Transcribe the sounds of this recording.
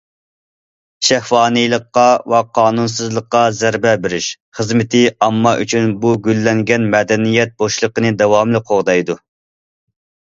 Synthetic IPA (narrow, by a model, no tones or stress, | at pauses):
ʃæhwɑːnɨjlˠəqːɑwɛqʰɑːnuns̬ɨzlˠəqːɑzæɾbɛbɪɾɪʃ | χəzmɪt̪ʰɪɑmːɑʔyt͡ʃʰynbuɡʲylːɛŋɡʲɛnmɛd̪ɛnijɛt̪̚boʃlˠəqənɨd̪ɛwɑmlɨqʰoʁd̪ɑjd̪u